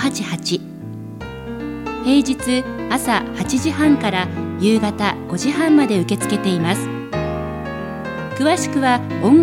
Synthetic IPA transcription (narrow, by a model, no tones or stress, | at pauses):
hat͡ɕihat͡ɕi | he̞ːd͡ʑit͡sɨasahat͡ɕiʑiɦãŋkaɾajɯːɡat̪aɡ̥o̞ʑihãmːad̪e̞ɯ̟ke̞t͡sɨ̥ke̞t̪e̞imasɨ̥ | kɯ̟βaɕi̥kɯ̟βaõ̞ŋ